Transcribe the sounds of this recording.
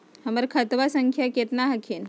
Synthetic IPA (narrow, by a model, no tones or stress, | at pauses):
həməɾkʰat̪ʋasəŋkʰjaket̪naɦakʰin